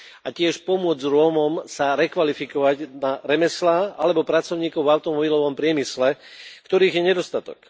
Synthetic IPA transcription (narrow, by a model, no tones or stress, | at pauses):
acɪɛʃpɔmʊɔd͡zɾʊɔmɔmsaɾɛkʋalifikɔʋaɟnaɾɛmɛslaːʔalɛbɔpɾat͡sɔʊɲiːkɔʊvaʊt̪ɔmɔbilɔʋɔmpɾɪɛmislɛkt̪ɔɾiːɣjɛɲɛd̪ɔst̪at̪ɔ̰k